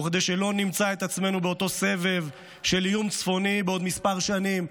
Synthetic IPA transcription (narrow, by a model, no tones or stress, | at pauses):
χd̪ejʃelo̞nimt͡sae̞t̪at͡sme̞nubeo̞t̪o̞se̞ve̞v | ʃe̞ljumt͡sfo̞nibeo̞d̪mispaʁʃanim